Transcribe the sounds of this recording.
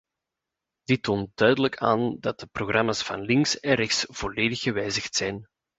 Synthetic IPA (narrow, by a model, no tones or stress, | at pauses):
d̥ɪtːoːnt̚d̥œɥdələkʰa̰ːndɑt̚dəproɣrʔɑmasfɑ̰nlɪŋksɛnɾɛxsv̥oleːdəxəʋɛjzəxtsɛjn